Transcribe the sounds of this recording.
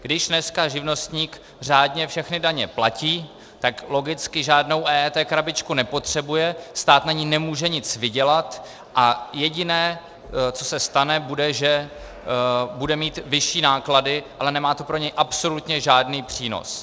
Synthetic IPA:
ɡ̥dɪʃnɛskaʒɪvno̞st̪ɲiːk | r̝aːdɲɛfʃɛxnɪdaɲɛplaciː | t̪aklo̞ɡɪt͡skɪʒaːdno̞wʔɛːɛt̪ɛːkɾabɪt͡ʃkunɛpo̞t̪r̝̥ɛbujɛst̪aːt̪naɲinɛmuːʒɛɲɪt͡svɪɟɛlat̪ | ʔajɛɟɪnɛː | t͡so̞sɛst̪anɛbudɛʒɛ | budɛmiːt̪vɪʃiːnaːkladɪʔalɛnɛmaːt̪opɾo̞ɲɛjʔapso̞lut̪ɲɛʒaːdniːpr̝̥iːno̰s

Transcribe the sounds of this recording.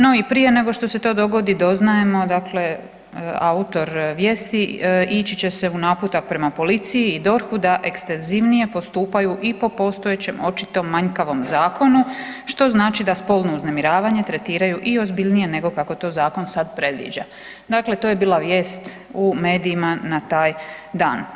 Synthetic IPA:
no̞ipɾije̞ne̞ɡo̞ʃt̪o̞se̞t̪o̞ːd̪o̞ɡo̞d̪id̪o̞znaje̞mo̞d̪akle̞ | aut̪o̞ɾʋje̞ːst̪iit͡ɕit͡ɕe̞se̞unaːput̪ak̚pɾe̞mapo̞lit̪sijiːd̪o̞ɾxud̪aʔe̞kst̪e̞nziʋnije̞po̞st̪uːpajuʔipo̞po̞ːst̪ojet͡ɕe̞mo̞t͡ʃi̥t̪o̞mːaɲkaʋo̞mzaːkʰo̞nuʃt̪o̞znaːt͡ʃid̪aspo̞lˠno̞uzne̞miɾaːʋaɲe̞t̪ɾe̞t̪iːɾajuʔio̞zbiʎʲnije̞ne̞ɡo̞kako̞t̪o̞ːzaːko̞nsad̪pɾe̞d̪ʋḭd͡ʑa̰ | d̪akle̞t̪o̞ːje̞biːlaʋje̞ːst̪ume̞ːd̪iːmanat̪aːjd̪aːn

